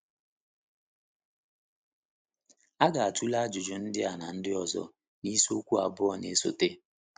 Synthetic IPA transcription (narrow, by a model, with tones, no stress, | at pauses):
a˦ɡa˨a˨tu˦la˦a˦d͡ʒʊ˨d͡ʒʊ˨n̩˦dɪ˦a˨na˨n̩˦dɪ˦ɔ˨zɔ̰˦ | ni˦so˦kʷu˦a̰˨bʊ˦ɔ˨nḛ˨˦so̰˨te˦